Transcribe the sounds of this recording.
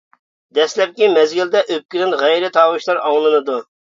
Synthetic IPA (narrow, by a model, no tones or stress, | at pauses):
d̪ɛslɛp̚kʲimɛzɡʲild̪ɛʔøp̚kʲilɪnʁɛjɾɪt̪ʰɑːwɨʃlˠɑɾɑŋlˠɨnɨd̪u